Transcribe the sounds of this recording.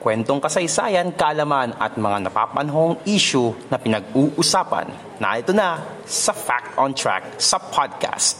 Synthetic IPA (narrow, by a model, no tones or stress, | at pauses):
kwɛnt̪oŋkɐsɐjsa̰ːjɐnkɐʔɐlɐmanɐ̰t̪̚mɐŋanɐpa̰ːpɐnɐɦoŋiːʃʊnɐpɪnɐɡ̚uːʔʊsaːpɐ̰nː | a̰ɪt̪onɐ | sɐfak̚t̪ont̪ɹa̰k̚sɐpʰad̪̚ka̰st̪̚